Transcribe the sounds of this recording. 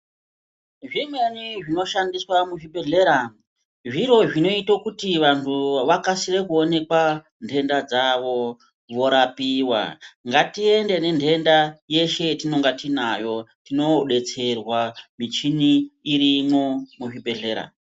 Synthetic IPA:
ʐimwe̞niʐino̞ʃandiswamuʐibʱe̞ɮe̞ɾa | ʐiɾo̞ʐino̞itokutiʋantʰuʋakasirekuone̞kwa | ndʰʱe̞ndad͡zaʋo̞ | ʋo̞ɾapiːwa̰ŋɡatie̞nde̞ne̞ndʰʱe̞ndaje̞ʃe̞tino̞ŋɡatinajo̞tino̞ɗe̞t͡se̞rwamit͡ʃiniːɾimomuʐibʱe̞ɮe̞ːɾa̰

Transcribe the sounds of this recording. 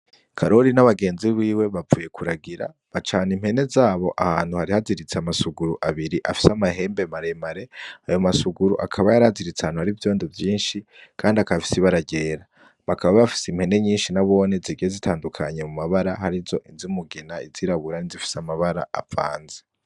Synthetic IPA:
kʰaɾo̞ɾinaβaɡe̞ːnziβiːwe̞βavuːje̞kʰuɾaɡiɾa̰ | βat͡ʃaːnimhe̞ne̞zaːβo̞ʔahaːn̥huhaɾihaziɾit͡seamasuɡuɾuʔaβiɾiʔafi̥samaɦe̞ːmbe̞maɾe̞maɾe̞ajo̞masuɡuɾuʔakʰaβajaɾaziɾit͡sehaːnhuhaɾivjo̞ːndivjiːnʃikʰaːndiakaβfi̥siβaɾaɟe̞ːɾa | βakaβaββafi̥sim̥he̞ne̞ɲiːnʃinaβo̞ne̞ziɡiezitʰaːndukʰaɲe̞mumaβaɾaɦaɾizo̞ʔizimuɡinaiziɾaβuɾanizifi̥samaβaɾa̰a̰fa̰ːnze

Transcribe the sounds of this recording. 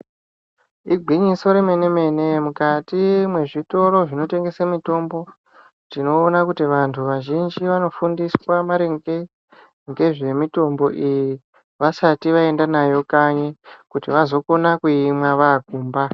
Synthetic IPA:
iɡʱiɲiso̞ɾeme̞ne̞me̞ne̞mukatimwe̞ʐito̞ɾo̞ʐino̞te̞ŋɡe̞samito̞mbo̞ | tino̞ːnakutiʋantʰuʋaʒind͡ʒiʋano̞fundiswamaɾeŋɡe | ŋɡe̞ʐe̞mito̞mbo̞ʔiji | ʋasatiʋae̞ndanajo̞kaɲekutiʋazo̞ko̞nakuimwaʋaɡʱuːmba

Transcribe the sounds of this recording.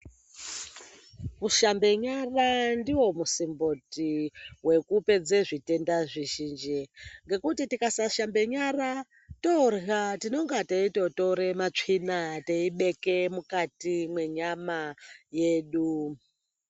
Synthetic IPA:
kuʃambe̞ɲarandiwo̞musimbo̞tiwe̞kupe̞d͡zeʐite̞ndaʐiʒiːnd͡ʒiŋɡe̞kutitikasaʃambe̞ɲara | torɣatino̞ŋɡateito̞to̞ɾe̞mat͡ʂinateiɓe̞kemukatimwe̞ɲamaje̞ːɗu

